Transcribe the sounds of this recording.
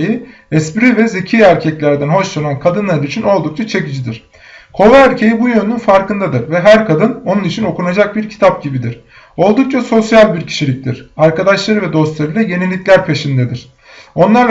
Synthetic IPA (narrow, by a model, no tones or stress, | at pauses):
ji | ɛspiɾivɛzecʰiæɾcʰɛclʲæɾd̪ænɦo̞ʃlanankʰad̪ɯnlˠaɾɯit͡ʃʰino̞lˠd̪uk̚t͡ʃʰat͡ʃʰe̞cid͡ʒid̪iɾ̥ | kʰo̞vɛæɾcʰejibujønynynfaɾkɯnd̪ad̪ɯɾvɛɦæɾkʰad̪ɯno̞nunit͡ʃʰino̞kunad͡ʒak̚biɾcʰi̥t̪ʰap̚ɟibid̪iɾ̥ | o̞lˠd̪uk̚t͡ʃʰaso̞sjalʲbiɾcʰi̥ʃilʲic̚t̪iɾ̥aɾkad̪aʃlˠaɾɯvɛd̪o̞st̪lˠaɾɯlˠaje̞nilʲːicʲlʲæɾpʰe̞ʃind̪ɛd̪iɾ̥ | o̞nlˠaɾ